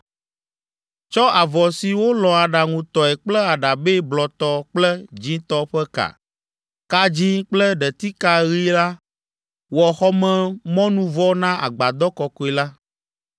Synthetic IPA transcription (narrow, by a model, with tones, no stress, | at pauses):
t͡ʃɔ˦a˨vɔ˨si˨wo˦lɔ̃˨a˨ɖa˨ŋũ˨t̪ɔ˨ɛ˨k͡plɛ˦a˨ɖa˨be˦blɔ˨t̪ɔ˦k͡plɛ˦d͡ʑĩ˦t̪ɔ˦ɸɛ˦ka̰˨ | ka˦d͡ʑi˦k͡plɛ˦ɖɛ˨t̪i˦ka˦ɣi˦la˦ | wɔ˨xɔ˦mɛ̃˦mɔ̃˦nũ˦vɔ˦nã˦ʔa̰˨ɡ͡ba˨d̪ɔ˦kɔ˨kɔ˨˦ɛ˨la˦